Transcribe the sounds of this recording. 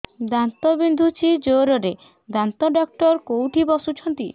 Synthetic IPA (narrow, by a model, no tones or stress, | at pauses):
d̪ant̪ɔbind̪ʱut͡ʃʰid͡ʒoɾɔɾe | d̪ant̪ɔɖak̚ʈɔɾkowʈʰibɔsut͡ʃʰɔnt̪i